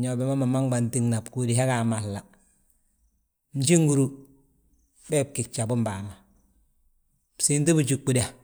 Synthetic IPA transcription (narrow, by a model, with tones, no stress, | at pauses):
ɲo˨be˨˦ma˦ma˨ma˦ŋba˨nti˦ŋna˨bku˨di˨ɦa˦ka˨ma˨lla˨ | m̩˨d͡ʒi˦ŋɡu˨ɾu˨ | bɛ˦p̚ki˨k̚t͡ʃa˨bu˦mba˨ma˨ | si˦nti˦bu˨t͡ʃu˨kːu˨da˨